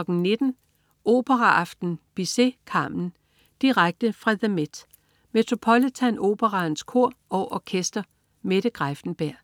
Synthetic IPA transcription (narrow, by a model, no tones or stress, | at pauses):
ɒ̽ɡ̥n̩ne̝d̥n̩ | ʔo̝̰ːb̥əʁɑʔɑ̈fd̥n̩b̥ise̝̰kʰɑ̈mn̩ | d̥iʁaɡ̥̚d̥əfʁɑðəmed̥ | me̝t͡sʰʁo̝pʰɒlit͡sʰæno̝̰ːb̥əʁɑnskʰo̝ɐ̰ɒ̽ʔɒkʰesd̥ɐ | meɾ̥əɡ̥ʁafd̥n̩b̥æɐ̰